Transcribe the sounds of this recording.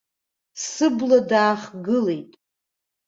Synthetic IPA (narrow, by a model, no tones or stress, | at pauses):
sɨbladaːχɡɨle̞jtʼ